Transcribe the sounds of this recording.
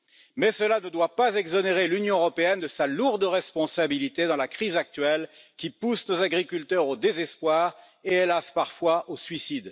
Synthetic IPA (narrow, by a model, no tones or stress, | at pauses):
mɛsəlanəd̪wapazɛɡzɔneʁelynjɔ̃øʁɔpeɛnd̪əsaluʁd̪ʁɛspɔ̃sabilit̪ed̪ɑ̃lakχizak̚t̪ɥɛlkʲipusnozaɡʁikʲylt̪œʁod̪ezɛspwaʁ | eelaspaʁfwaʔosɥisid̪